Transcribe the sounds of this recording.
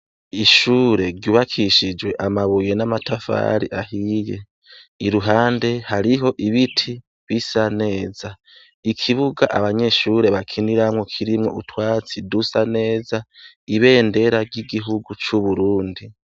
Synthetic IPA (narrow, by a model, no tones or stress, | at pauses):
iʃuːɾe̞ɾɟuːβakʰiʃid͡ʒwe̞ʔamaβuje̞namatafa̰ɾḭʔahije | iɾuɦaːnde̞haɾiɦo̞ʔiβitʰi | βisane̞ːza | ikʰiβuɡaʔaβaɲe̞ʃuːɾe̞βakʰiniɾamŋokʰiɾimŋo̞utwaːt͡sidusane̞ːza | iβe̞ːnde̞ɾaɾɟiɡiɦuɡut͡ʃuβuɾuːndi